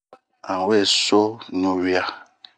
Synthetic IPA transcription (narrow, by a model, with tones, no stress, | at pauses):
ã˨wɛ˦˨so˦ɲõ˨wi˦a˦